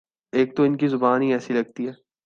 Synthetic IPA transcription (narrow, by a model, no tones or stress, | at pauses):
eːk̚t̪oɪnkizʊbaːnɦĩɛːsilɐɡ̚t̪iɦɛː